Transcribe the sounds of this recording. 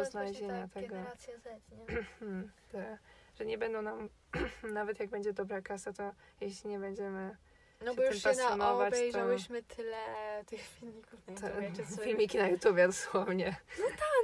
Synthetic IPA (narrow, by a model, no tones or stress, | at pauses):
ɔznalɛʑeɲat̪ɛɡɔ | t̪aʐ̥ɛɲɛbɛnd̪ɔ̃w̃nam | navɛt̪jaɡ̚bɛɲd͡ʑɛd̪ɔbɾakasat̪ɔ | jeɕlʲiɲɛbɛɲd͡ʑɛmɘ | nɔbɔj̪uɛmasɔnɔvat͡ɕbɛjtʒɔwɪɕmɘt̪ʰɪlɛt̪ɪxfʲilɲikut̪fʲilɲikʲinajut̪ubʲjɛd̪ɔswɔvɲɛnɔt̪a